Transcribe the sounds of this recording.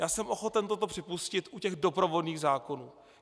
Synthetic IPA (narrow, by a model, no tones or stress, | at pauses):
jaːsɛmʔo̞xo̞t̪ɛnt̪o̞t̪o̞pr̥ɪpuscɪt̪ʔucɛɣdo̞pɾo̞vo̞dniːɣzaːko̞nuː